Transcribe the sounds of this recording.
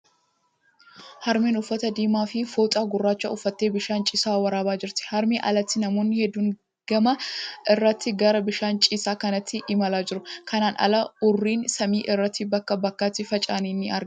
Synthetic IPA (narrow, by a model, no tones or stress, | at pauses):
hɐɾmeːnʊfːɐt̪ɐd̪iːmaːfɪfoːt̪ʼaːɡʊrːaːt͡ʃːɐ̰ʊfːɐt̪ːeːbɪʃaːnt͡ʃʼɪsaːwɐɾaːbaːd͡ʒɪɾt̪ɪ̥hɐɾmeːʔɐ̰lɐt̪ːɪnɐmo̞ːnːɪhɛd̪ːuːŋ | ɡ̥ɐmɐʔɪrːɐt̪ːɪɡɐɾɐbɪʃaːnt͡ʃʼɪsaːkɐnɐt̪ʰːɪʔɪmɐlaːd͡ʒɪɾʊkɐnaːnʔɐ̰lɐʊrːiːnsɐmiːʔɪrːɐt̪ːɪbɐkːɐbɐkːaːt̪ːɪfɐt͡ʃʼaːniːnːɪɐɾ